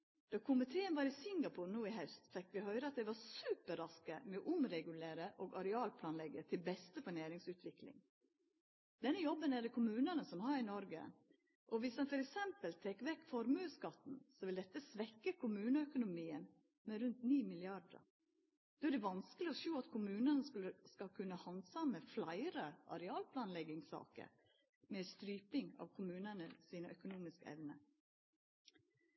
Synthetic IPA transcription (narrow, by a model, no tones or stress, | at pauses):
d̪̥ɑːkʰʊmɪt̪ʰeːənʋɑːɾɪsɪŋɡɑpʰʊːɾnuːɪɦœst̪fɛkːʋɪhœʏɾəɑt̪̚d̪ɛɪʋɑɾsʉːpəɾɑskə̰mɛɔʔʊmɾɛɡʉleːɾəʔoːɡɑɾɛɑːlpʰlɑːnlɛɡət̪ʰɪlbɛst̪əfɑɳeːɾɪŋsʉːt̪ʰʋɪklɪ̰ŋ | d̪̥ɛnːəjɔbːənæɖɛkʰʊmʉːnɑnəsɔmhɑɾɪnɔɾɡə̰ | ʔɔʋɪsd̪ɛnfɔɾɛksɛmpəlt̪ʰeːkːʋɛkːfɔɾmʉːskɑt̪n̩sɔʋɪld̪ɛt̪ːəsʋɛkːəkʰʊmʉːnəœkʊnʊmiːən | mɛɾʉnt̪niːmɪlɪɑɾdə̰ | d̪̥oːæd̪ɛʋɑnskəlɪɔʃoːɑt̪kʰʊmʉːnənəskʉləskɑkʰʉnːəhɑnd̪sɑməflɑɪɾəʔɑ̰ɾɛɑːlpʰlɑːnlɛɡɪŋsɑ̰ːkə̰ | mɛːst̪ɾyːpɪŋɑ̰ːʋkʰʊmʉːnənəsiːnəʔœkʊnuːmɪskəɛ̰ʋnə